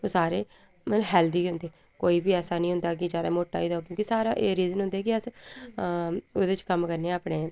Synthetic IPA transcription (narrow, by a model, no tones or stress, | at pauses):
oːsaːɾeː | məɦɛːld̪iːɦʊ̃nd̪eː | koːiːbiːɛːsaːnĩːɦʊ̃nd̪aːk̬ɪd͡ʒjaːd̪a̰ːmoːʈːa̰ːiːd̪aoːk̬jõːkisaːɾaːʔeːɾiːzənɦʊnd̪eːkɪəs | od̪et͡ʃkəmkəɾneaːpneː